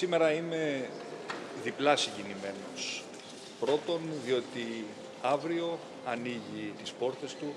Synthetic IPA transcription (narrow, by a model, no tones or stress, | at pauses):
sime̞ɾɐime̞ | ðiplɐsiɲɟinime̞no̞s | pɾo̞t̪o̞nðio̞t̪i | ɐvɾio̞ | ɐniʝit̪ispo̞ɾθe̞st̪u